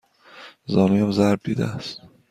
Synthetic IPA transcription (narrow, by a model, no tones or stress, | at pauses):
zɒːnuːjæmzæɾb̚d̪iːd̪æ̰æst̪